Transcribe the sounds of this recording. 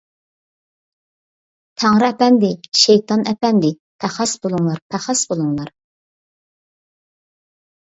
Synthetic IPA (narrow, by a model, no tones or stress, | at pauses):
t̪ʰæŋɾɨɛpɛnd̪ɪʃejt̪ʰɑnɛpɛnd̪ɪ | pʰæχɑsbolˠuŋlˠɑɾpʰæχɑsbolˠuŋlˠɑɾ